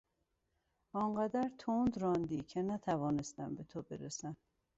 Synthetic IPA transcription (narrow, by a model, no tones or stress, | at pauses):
ɒɴɢæd̪æɾt̪ʰond̪ɾɒːnd̪iːcʰenæt̪ʰævɒːnest̪æmbet̪ʰobḛɾesæn